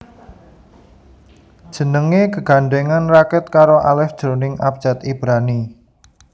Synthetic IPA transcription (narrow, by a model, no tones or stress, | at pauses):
d̥ʒ̥ə̤nəŋeɡəɡ̥a̤ɳɖeŋanrakɛt̪̚kaɾoʔalɛfd̥ʒ̥ɾonɪŋʔap̚d̥d͡ʒ̥at̪ib̥ɾani